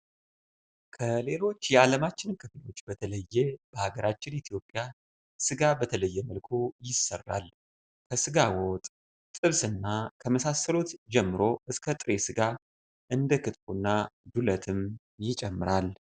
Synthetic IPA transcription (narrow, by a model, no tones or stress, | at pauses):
kʰəle̞lo̞t͡ʃːjɛaləmat͡ʃːɪnkʰɨfɨlo̞t͡ʃːbət̪ʰələjːeb̥əhaɡəɾat͡ʃːɪnit̪ʰjo̞pʼːja | sɨɡabət̪ʰələjːɛməlkʰojɪsːərːa̰l | kʰəsɨɡawɔt̪ʼ | t̪ʼɨβsɨnːakʰəməsasəlot̪d͡ʒɛmːɨɾo̞ʔɨskʰət̪ʼɨɾe̞sɨɡa | ʔɨnd̪əkʰɨt̪bunːad̪ulət̪ʰɨm | jɪt͡ʃʼɛmːɨɾal